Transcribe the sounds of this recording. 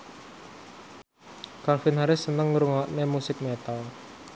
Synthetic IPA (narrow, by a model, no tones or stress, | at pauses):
kalfɪnɦaɾɪsːənəŋːuɾuŋɔʔnemusɪk̚mɛt̪al